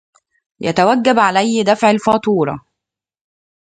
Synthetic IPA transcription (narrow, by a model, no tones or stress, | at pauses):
jæ̰t̪æwæɡːæbʕalæjːd̪æfʕalfɑːt̪ˤuːɾˤɑ̰